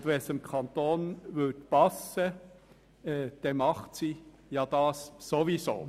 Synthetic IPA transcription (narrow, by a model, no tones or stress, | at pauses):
dʋɛsəmkʰɑnt̪oːnvʏtpɑsːə | ɛd̪̥ɛmɑχtsi | jɑd̥̪ɑːsːoʋiso̰ː